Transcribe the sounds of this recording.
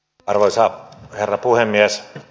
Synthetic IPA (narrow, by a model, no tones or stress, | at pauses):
ɑrʋoisɑːherːɑpuhemːiæs